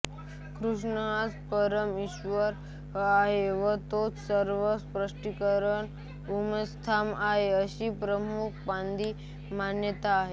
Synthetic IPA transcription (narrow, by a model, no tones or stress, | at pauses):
kɾuʂɳəɦat͡spəɾəmiɕʋəɾ | aɦeʋət̪ot͡ssəɾʋəspɾəʂʈikəɾəɳ | uməst̪ʰamaɦeəɕiːpɾəmuk̚ʰband̪iː | manjət̪aːɦe